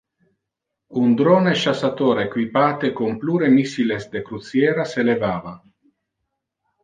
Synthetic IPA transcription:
und̪ɾoneʃasat̪oːɾekwipaːt̪ekompluːɾemisilesd̪ekɾut̪sjɛːɾaselevaːva

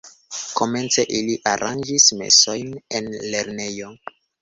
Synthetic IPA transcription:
ko̞me̞nt͡se̞ʔiliʔaɾʔand͡ʒisme̞̰so̞jnenle̞ɾne̞jo̞

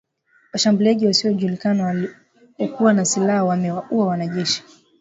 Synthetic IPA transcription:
waʃambuliaʄiwasiɔʄulikanaw | ɔkuwanasilahawamɛwaʔuawanaʄɛʃi̥

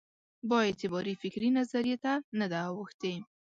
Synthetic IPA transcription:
bɑjet̪ɪbɑɾifɪkɾinazaɾijet̪anad̪aːwəxt̪e

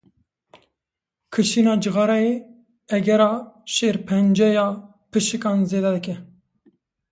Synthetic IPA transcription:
kʰɨʃinɑːd͡ʒɨɣɑːɾɑje | ɛɡɛɾɑːʃeːɾpʰɛnd͡ʒɛjɑː | pʰɨʃɨkɑːnzeːd̪ɛd̪ɨkɛ

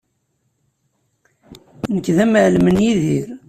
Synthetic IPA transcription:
nəkːðæməʕlmənjiðiɾ

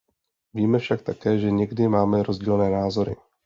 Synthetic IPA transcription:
viːmɛfʃakt̪akɛːʒɛɲɛɡdɪmaːmɛɾozɟiːlnɛːnaːzo̞ɾɪ̰

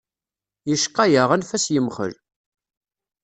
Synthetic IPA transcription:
jəʃqːæjəʁənfæsjəmχə̰l

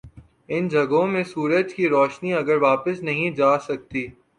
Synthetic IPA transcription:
ɪnd͡ʒʱɐɡõmẽsuːɾəd͡ʒkiɾɔːʃniɐɡəɾʋaːpɪsnɐɦĩd͡ʒaːsɐk̚t̪iː

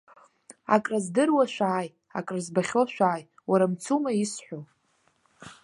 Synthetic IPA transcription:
a̰kʼrazdɨrwaʃʷᶣaːj | a̰kʼrazbaχʲoʃʷᶣaːj | waɾamt͡sʰumaisħʷo

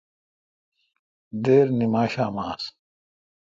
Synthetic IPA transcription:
d̪eːɾnimaːɕaːmaːs

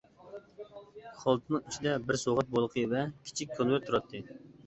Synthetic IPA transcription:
χɑlˠt̪ʰɨnɨyt͡ʃʰid̪ɛbɪɾsoʁɑt̪̚bolˠqʰɨvɛkʲʰi̥t͡ʃʰikʲʰːonwæɾt̪ʰuɾɑt̪ʰːɨ

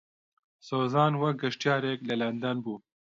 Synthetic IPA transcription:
soːzɑːnwɐɡɐʂʈjaːɾeːklɐlɐnd̪ɐnbu

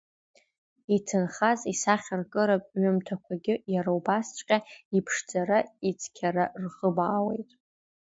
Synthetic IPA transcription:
itʰɨnχazisaχʲarkʼɨɾapʼɥʊmtʰakʷʰaɡʲɪjaɾaubast͡ʃʷʼqʲʼaipʰʂd͡zʼaɾait͡sʰkʲʰaɾarʁəbaːwḛjtʼ

